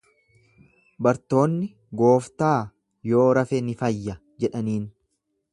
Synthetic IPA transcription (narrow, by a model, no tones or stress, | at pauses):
bɐɾt̪o̞ːnːɪ | ɡo̞ːft̪aː | jo̞ːɾɐfɛnɪfɐjːɐ | d͡ʒɛᶑɐniːn